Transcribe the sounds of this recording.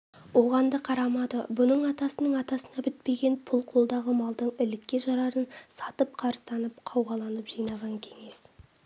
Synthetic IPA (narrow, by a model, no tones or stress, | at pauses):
wo̞ʁɑnd̪əqʰɑɾɑmɑd̪əbʊnəɴɑt̪ɑsənəɴɑt̪ɑsənɑbɪt̪̚pe̞ɡʲe̞npʰʊlˠqʰo̞lˠd̪ɑʁəmɑlˠd̪əɴɪlɪkʲːe̞ʒɑɾɑɾənsɑt̪əp̚qʰɑɾəst̪ɑnəp̚qʰɑwʁɑlˠɑnəpʒ̥ijnɑʁɑŋkʲʰe̞ŋe̞s